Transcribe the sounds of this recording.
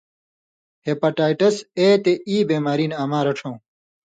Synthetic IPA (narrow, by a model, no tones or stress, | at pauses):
heːpaʈaːjʈɐseːt̪eiːbeːmaːɾiːnaːmaːɾɐʈ͡ʂʰõː